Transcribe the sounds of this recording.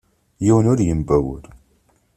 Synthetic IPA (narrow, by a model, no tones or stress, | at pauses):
jiwənʊɾjəmbæwʊ̰ɾ